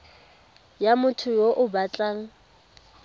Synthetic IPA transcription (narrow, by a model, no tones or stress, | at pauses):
jamʊtʰʊjoʔʊbat͡ɬʼaːŋ̩